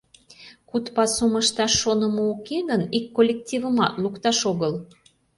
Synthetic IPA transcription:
kut̪pɑsuməʃt̪ɑʃːonəməokeɣənikːolʲːek̚t̪ʲivəmɑt̪lukt̪ɑʃoɣəl

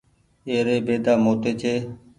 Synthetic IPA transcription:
eːɾeːbeːd̪aːmoːt̪eːt͡ʃʰeː

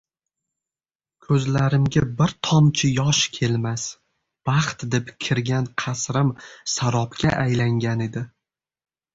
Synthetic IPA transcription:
kʰɵzlaɾɪmɡʲabɪɾt̪ʰɒmt͡ʃʰɪjɒʃkʲʰe̞lmas | b̥ɑχt̪d̪e̞pkʲʰɪɾɡʲanqʰɑsɾɪmsaɾɒpkʲa̰ʔajlaŋɡʲane̞d̪ɪ

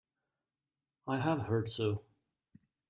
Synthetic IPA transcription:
aɪəv̥hɜ˞dsoʊ

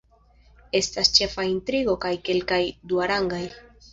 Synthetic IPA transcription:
e̞st̪ast͡ʃe̞faint̪ɾiɡo̞kajke̞lkajd̪uaɾaŋɡaj

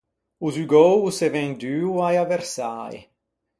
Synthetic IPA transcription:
uzyɡɔwsevɛŋd̪yːwajavɛrsa̰j̰

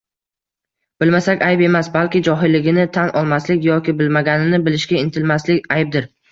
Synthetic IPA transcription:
b̥ɪlmasakʲajpe̞masbalkʲɪd͡ʒɒɦɪlːɪɡʲɪnɪt̪ʰanʔɒlˠmaslɪkʲjɒkʲɪbɪlmaɡʲanɪnɪbɪlɪʃkʲaɪnt̪ʰɪlmaslɪkʲajb̚d̪ɪɾ

